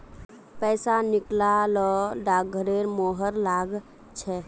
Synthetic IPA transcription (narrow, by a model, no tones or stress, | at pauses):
pɛɪsaniklalɔɖaɡʱəɾeɾmoɦəɾlaɡ | t͡ʃʰɛ